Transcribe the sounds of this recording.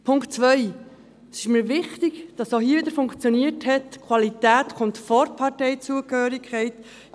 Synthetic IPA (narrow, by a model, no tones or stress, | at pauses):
pʰʊŋktt͡sʋœʏ | sɪʃməɾʋɪχtɪɡd̥ɑsohiːəʋɪdəɾfʊŋkt͡sjɔniəthɛtkʰwɑlitæːtkʰʊntfɔɾpʰɑtɛɪt͡suəkhœːɾikʰχɛɪt